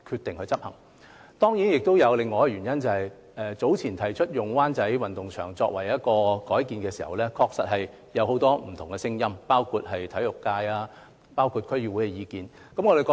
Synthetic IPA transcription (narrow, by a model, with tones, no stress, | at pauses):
kʰyː˧t̪̚ɪ˨ŋhɵ˧ɥt͡sɐ˥p̚hɐ̰˨˩ŋ | t̪ɔː˥ŋji˨˥njɪ˨k̚t̪o˥wjɐ˨˧wlɪ˨ŋːɔː˨˧jɛ˧˩ɥyː˨˩njɐ˥nt͡sɐ˨hɐ˨j | ʔɛː˨˧t͡so˨˥wt͡sʰiː˨˩nt̪ʰɐ˨˩jt͡ʃʰɵ˥t̚jʊ˨ŋwaː˥nt͡sɐ˨˥jwɐ˨˩nt̪ʊ˨ŋt͡ʃʰœ̰ː˨˩ŋt͡sɔ̰ː˧kwɐ̰˨˩jjɐ˥t̚kɔː˧kɔː˨˥jkiː˨˧nkɛː˧siː˨˩hɐ˨wlɛː˥kʰɔː˧k̚sɐ˨t̚ɦɐ˨j | jɐ˨˧who˨˥wt̪ɔː˥m̩˨˩t̪ʰʊ˨˩ŋɛ˧sɪ˥ŋjɐ˥mpaː˥wkʰuː˧t̚ɦɐ˨jt̪ʰɐ˨˥jlʊ˨˩kːaː˧jaː˧ | paː˥wkʰu˧t̚kʰɵ˥ɥjyː˧˥wuː˨˥jkɛ˧jiː˨˧kiː˨n | kɐ˨˥mŋɔː˨˧de˨kɔː˧